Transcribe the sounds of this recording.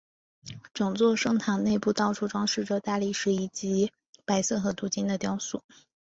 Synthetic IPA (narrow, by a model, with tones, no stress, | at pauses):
ʈ͡ʂɤ˨˩ŋt͡swɔ˥˧ʂɤ˥ŋt̪ʰa˨˩ŋne˥˧ɪpu˥˧t̪ɑ˥˩ʊʈ͡ʂʰu˥˩ʈ͡ʂwɑ˥ŋʂɻ̩˥˩ʈ͡ʂɤ˩t̪a˥˧li˥˩ʂɻ̩˧˥i˨˩t͡ɕi˧˥ | pa˧˥ɪsɤ˥˩xɤ˧˥t̪u˧˥t͡ɕi˥nd̪ə˨t̪jɑ˥ʊsṵ˨˥˩